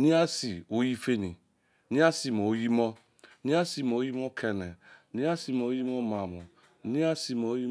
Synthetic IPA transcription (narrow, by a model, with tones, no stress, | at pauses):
ni˦a˦si˨o˦ji˦fe˦ni˨ | ni˦a˦si˨mo˨o˦ji˦mɔ˦ | ni˦a˦si˨mo˨o˦ji˦mɔ˦kʰe˨ne˨˦ni˦a˦si˨mo˨o˦ji˦mo˦ma˨mo˨ | ni˦a˦si˨mo˨o˦ji˦